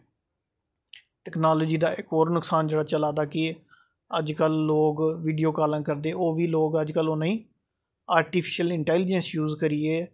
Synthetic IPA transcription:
ʈɛːknaːloːd͡ʒiːd̪aːʔɪkoːɾnʊksaːnd͡ʒeːɽaːt͡ʃəlaːd̪aːkɪ | əd͡ʒkəlːoːɡʋiːɖijoːkaːlə̃ːkəɾd̪eːʔoːʋiːloːɡəd͡ʒkəlonãĩː | aːɾʈiːpʰɪ̥ʃəlɪɳʈɛːlɪd͡ʒə̃nsjuːzkəɾieː

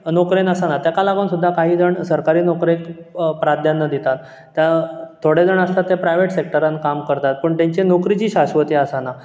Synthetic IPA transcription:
nokɾenəsanat̪jakalaɡənsud̪ʱːakaɦiːd͡zəɳsəɾkaɾiːnokɾekpɾad̪ʱjanːəd̪it̪at̪ː | jãt̪ʰːoɽed͡zəɳəst̪at̪ːepɾajʋeʈsek̚ʈəɾãnkamkəɾt̪at̪̚pəɳt̪jãɲt͡ɕenokɾit͡ɕiːɕaɕʋət̪eəsana

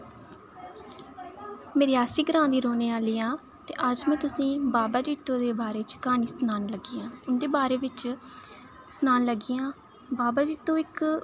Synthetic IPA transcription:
meːɾiːaːsiːɡɾãːnd̪iːɾoːneːaːliːaː | t̪ḛːʔəd͡ʒmɛ̃ːt̪ʊsĩːbaːbaːd͡ʒiːt̪ːõːd̪eːbaːɾeːt͡ʃkaːniːsnaːnləɡiːãːʊnd̪eːbaːɾeːʋɪt͡ʃ | snaːnləɡiːãː | baːbaːd͡ʒiːt̪ːõːɪk

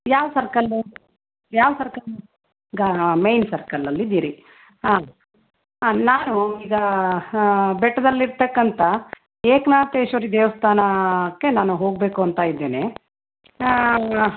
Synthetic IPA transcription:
jaːʋsɐɾkɐlːu | jaːʋɐsɐɾkɐl | ɡɐmejnsɐɾkɐlːɐlːid̪iːɾi | aː | naːnuiːɡɐ | bɛʈːɐd̪ɐlːiɾt̪ɐkːɐnt̪ɐ | eːknaːt̪eːʃɐɾid̪eːʋɐst̪ʰaːnɐkːe̞naːnuɦo̞ːɡ̚be̞ːkuɐnt̪aːjid̪ːeːne

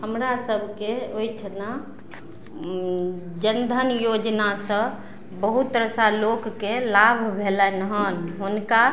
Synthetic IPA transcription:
həmɾasəbʱkeoitʰəna | d͡ʒənd̪ʱənjod͡ʒnasə̃ | bəɦut̪ːɾəsalokːelabʱbʱelɛnəɦənɦunka

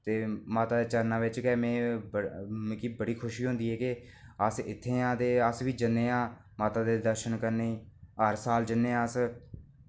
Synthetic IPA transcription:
t̪eːmaːt̪aːd̪eːt͡ʃəɾnãːʋɪt͡ʃkɛːmɛ̃ːbə̃kiːbəɽiːkʰʊʃiːɦõnd̪iːɦɛːkɪ | əsɪt̪ʰːẽːãːt̪eːəsʋiːd͡ʒənːeːãː | maːt̪aːd̪eːd̪əɾʃənkəɾneiːəɾsaːld͡ʒənːeːãːəs

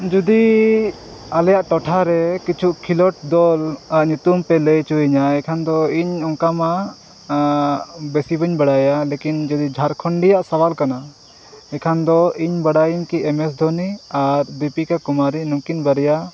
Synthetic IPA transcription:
d͡ʒud̪i | alɛjaʔʈɔʈʰaɾɛkit͡ʃʰuʔkʰilɔʈ̚d̪ɔlaʔɲut̪umpɛləjt͡ʃuiɲaɛkʰand̪ɔiɲɔŋkama | besibəɲbəɽajalekind͡ʒud̪id͡ʒʱaɾkʰɔɳɖijaʔsawalkana | ɛkʰand̪ɔiɲbəɽajiɲkiɛmɛsd̪ʱɔniaɾbipikakumaɾinukinbəɾɛja

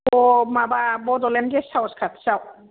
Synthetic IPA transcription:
bɔmababɔdɔlɛnɡɛsawskʰatsaw

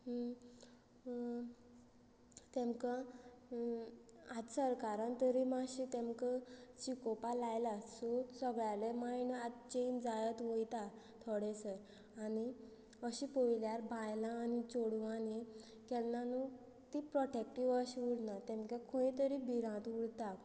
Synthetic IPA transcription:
t̪ɛ̃mka | ad̪səɾkaɾãnt̪əɾimaɕit̪ẽmkat͡ɕikɔpalajlasosəɡɭjalemajnad̪t͡ɕeind͡zajət̪ʋojt̪a | t̪ʰɔɽɛsəɾ | ani | əɕipojljaɾbʱãjlãːnit͡ɕoɽʋani | kɛlnanu | t̪ipɾɔʈek̚ʈiʋəɕʋuɽnat̪ɛ̃mkakʰũĩt̪əɾibʱiɾãt̪uɽt̪a

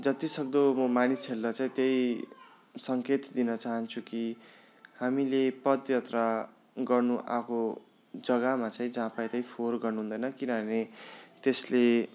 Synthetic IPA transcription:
d͡zʌt̪isʌkd̪omʌmaniseldʌt͡saĩt̪jej | sʌŋket̪d̪inʌt͡saɦʌnt͡sʰuki | hamilepʌd̪jʌt̪ra | ɡʌrnuʔa̰ko | d͡zʌɡamat͡saĩd͡zãpajt̪aĩpʰorɡʌrnuɦũnd̪ʌjnʌkinʌnet̪esle

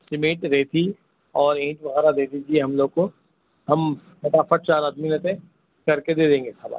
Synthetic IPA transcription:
sɪmeːʈɾɛɦt̪ʰi | ɔːɾẽːt͡ʃbɐɣɛːɾad̪eːd̪id͡ʒʰieɦɐmloːɡ̚ko | ɦɐm | sɐʈaːfɐʈ̚t͡ʃaːɾaːd̪minɐt̪ẽ | kɐɾked̪eːd̪ẽːŋɡesaːba̰ː

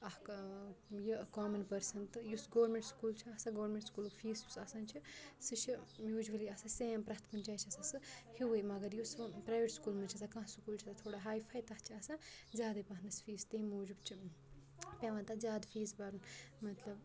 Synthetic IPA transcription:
ɐhk | jikaːmɐnpɐɾsɐnt̪ɨjusɡoːʋɾmẽɳʈskuːlt͡ʃʰiɐsãɡoːɾmẽɳʈskuːlfʰiːsusɐsãːnt͡ʃʰisɨt͡ʃʰimjuːd͡ʒuʋɐliɐsaseːmpɾɐt̪ʰkɐnt͡ʃʰaːt͡ʃʰɐsasɨhiʋɐjmɐɡɐɾjuspɾaːjʋeʈskuːlmɐnt͡ʃʰɐsakãɦskuːlt͡ʃʰit̪ɐt̪ʰoːɽaɦaːjpʰɐjt̪ɐht͡ʃʰiɐsãːzʲjaːd̪ɐpɐɦnɐsfiːzt̪emuːd͡ʒubt͡ʃʰi | pʲeʋãnt̪azjaːd̪fʰiːzbaɾunmɐt̪lɐb

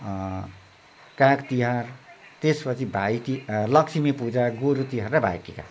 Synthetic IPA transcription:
kãkt̪iɦart̪espʌt͡sʰibʱait̪ilʌksʰimipud͡zaɡoɾut̪iɦarrʌbʱa̰jkika̰

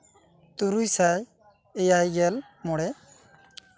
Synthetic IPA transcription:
t̪uɾujsaj | ejajɡɛl | mɔɽɛ

